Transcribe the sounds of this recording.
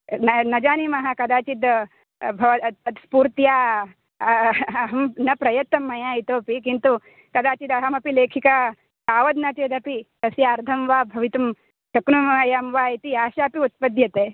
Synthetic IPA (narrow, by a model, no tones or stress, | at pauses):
nɐnɐd͡ʒaːnimɐɦɐkɐd̪aːt͡ʃid̪ | bʱɐʋɐɐt̪spuːɾt̪jaː | ɦɐmnɐpɾɐjɐt̪ːɐmːɐjaːit̪oːpikint̪u | kɐd̪aːt͡ʃid̪ɐɦɐmɐpileːkʰika | aːʋɐd̪nɐt͡ʃeːd̪ɐpit̪ɐsjaːɾd̪ʱɐmʋaːbʱɐʋit̪ɐm | t͡ʃɐknumɐjaːmʋaːit̪iaːʃaːpiut̪̚pɐd̪jɐt̪eː